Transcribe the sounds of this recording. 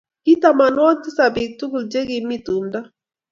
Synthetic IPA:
ki˦ta˨ma˨nwɔ˦nti˦sa˨bi˨k̚tu˦ɡu˨ld͡ʒe˦ɡi˨mi˦tu˨nda˦

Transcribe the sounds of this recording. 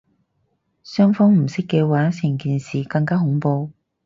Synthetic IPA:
sœː˥ŋfɔː˥ŋm̩˨˩sɪ˥kːɛː˧waː˨˥sɪ˨˩ŋkiː˨˧nsiː˨kɐ˧ŋkaː˥ɦʊ˨˥ŋpo˧w

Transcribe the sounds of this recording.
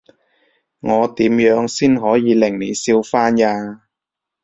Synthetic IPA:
ŋɔː˨˧t̪iː˨˥mjœː˨˧˥ŋsiː˥nɦɔː˨˥jiː˨˧lɪ˨˩ŋliː˨˩siː˧wfaː˥njaː˧

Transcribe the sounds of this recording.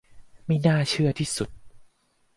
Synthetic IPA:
ma˥˩jnaː˥˩t͡ɕʰɯ˥˩ɐt̪ʰiː˥˩su˨˩t̪̚

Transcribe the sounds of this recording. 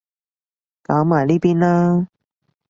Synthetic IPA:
kaː˨˥ŋmaː˨˩jliː˥piː˥nlaː˥

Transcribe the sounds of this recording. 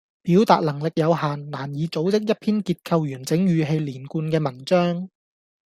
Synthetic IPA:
piː˨˥wt̪a̰ː˨t̚lɐ˨˩ŋlɪ˨k̚jɐ˨˧whaː˨nlaː˨˩njiː˨˧t͡so˨˥wt͡sɪ˥k̚jɐ˥t̚pʰiː˥nkiː˧t̚kʰɐ˧wjyː˨˩nt͡sɪ˨˥ŋjyː˨˧ɦe˧jliː˨˩nkuː˧nkɛː˧mɐ˨˩ŋt͡sœː˥ŋ

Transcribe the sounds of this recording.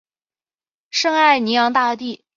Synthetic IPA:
ʂɤ˥ŋa˥˩ɪni˧˥jɑ˧˥ŋt̪a˥˧t̪i˥˩

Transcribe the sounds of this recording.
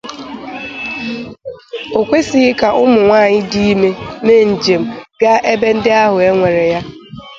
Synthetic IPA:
o˨kʷe˦si˨ɣɪ˦ka˨ʔʊ˦mʊ˨ŋʷaː˦˨ɲɪ˦di˦i˦me˦me˦˨n̩˨d͡ʒe˨m̩˦ɡa˦ʔe˦be˦n̩˦dɪ˦a˦ɦʊ˨e˦ŋʷe˨ɾe˨ja˦

